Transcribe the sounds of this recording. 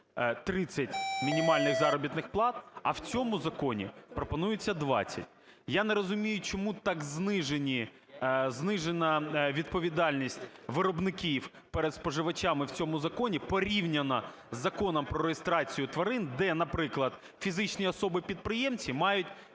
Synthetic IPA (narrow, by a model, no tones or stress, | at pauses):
t̪ɾɪt͡sʲːɐtʲmʲinʲimɑlʲnɪɣzɑɾɔbʲit̪nɪxplˠɑt̪̚ɐ̰wt͡sʲɔmʊzɐkɔnʲḭpɾɔpɔnujɪt͡sʲːɐd̪ʋɑ̰t͡sʲːɐ̰tʲ | janɛɾɔzʊmʲijʊt͡ʃɔmut̪ɑɡznɪʒenʲi | znɪʒenɐʋʲid̪̚pɔʋʲid̪ɑlʲnʲisʲtʲʋɪɾɔbnɪkʲiw | pɛɾed̪spɔʒɪʋɐt͡ʃʲamɪwt͡sʲɔmʊzɐkɔnʲipɔɾʲiwnʲɐnɐ | zɐkɔnɐmpɾɔɾejest̪ɾɑt͡sʲijʊt̪ʋɐɾɪnd̪ɛnɐpɾɪklˠɐd̪̥̚ | fʲizɪt͡ʃnʲiɔsɔbɨpʲid̪̚pɾɪjemt͡sʲimɑjʊtʲ